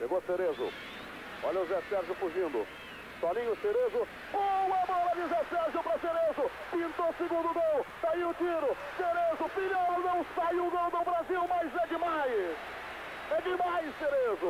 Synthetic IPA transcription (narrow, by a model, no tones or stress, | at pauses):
ʃeɡoɐseɾezʊ̰ | ɔ̰ʎɐʊzɛsɛɾʒʊfuʒĩnd̪ʊ̰ | sɔlĩɲʊseɾezʊ | bomɐbɔlɐd̪izɛsɛɾʒjʊpɾɐseɾezʊ | pĩnt̪osɪɡũnd̪ʊd̪õwt̪aiʊt̪iɾʊ | seɾezʊfiʎoɾnɐ̃w̃ssaiʊɡõwd̪ʊbɾaziwmɐjzɛd̪ɪmajs | ɛd͡ʒ̪ɪmajsseɾezʊ